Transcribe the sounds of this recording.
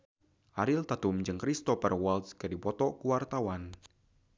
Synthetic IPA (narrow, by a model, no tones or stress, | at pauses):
ʔaɾɪlt̪at̪ʊmd͡ʒɨŋkɾist̪ɔpɛrwalt̪skadipɔt̪ɔkuwart̪awan